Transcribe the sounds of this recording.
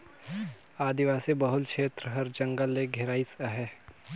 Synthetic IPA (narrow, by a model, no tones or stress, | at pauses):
aːd̪iʋaːsebɐɦʊlkʃʰeːt̪ɾəɦɐɾd͡ʒɐ̃ŋɡəlːeɡʱɪɾaːisaɦɛː